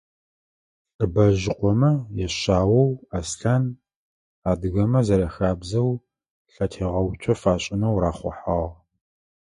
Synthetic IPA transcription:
rbɐʒɪqʷɔmɐjɛɕaːwɐwaːsɬan | aːdɨɣɐmɐzɐɾɐxaːbzɐw | ɬɐtʰeːʁɐwt͡ʃʷʰʼɐfaːɕʼɪnɐwɾaːχʷɔ̰ħaːʁ

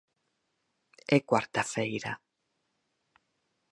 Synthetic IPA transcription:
ɛkwaɾt̪afejɾa

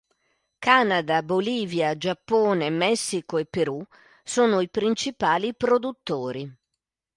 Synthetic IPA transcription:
kanad̪aboliːvjad͡ʒapːoːnemɛsːikoepːeɾu | soːnoipɾint͡ʃipaːlipɾod̪ut̪ːoːɾi

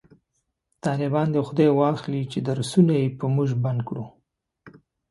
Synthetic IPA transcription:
t̪ɑlɪbɑnd̪əxʊd̪ɑjwɑxlit͡ʃed̪aɾsunajepəmʊʒband̪̚kɽu

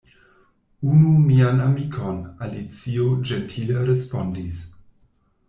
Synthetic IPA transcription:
unumianamikʰonalit͡siod͡ʒentʰileɾespondis

